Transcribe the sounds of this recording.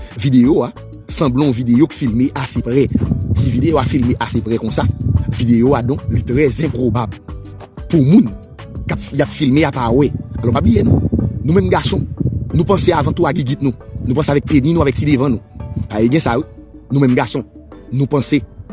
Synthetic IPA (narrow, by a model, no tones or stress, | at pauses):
vid̪ejoa | sɐ̃blɔ̃vid̪ejoki̥filmeʔasepʁɛsivid̪ejoafilmeʔasepʁɛkɔ̃savid̪ejoad̪ɔ̃klit̪ʁɛzɛ̃pʁobabl | pumũn | kapjapfilmeapawɛalɔpablijenũnũmɛ̃mɡasɔ̃nũpɐ̃seavãt̪uaɡiɡit̪̚nũnũp̬ɐ̃seavɛk̚penĩnũavɛk̚sid̪evãnũpaeɡɛ̃sainũmɛ̃mɡasɔ̃nũpɐ̃se